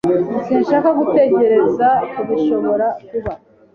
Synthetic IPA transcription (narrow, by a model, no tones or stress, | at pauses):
senʃaːkaɡute̞ɟe̞ɾe̞zakuβiʃo̞βo̞ɾakuβa